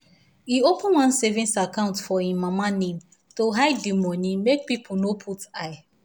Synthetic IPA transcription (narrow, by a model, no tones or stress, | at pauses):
iopʊ̃nwãnsevĩnsakãʊ̃ntfɔhĩmːamanẽm | toɦaɪdimɔnĩmek̚pipʰʊnopʰutaj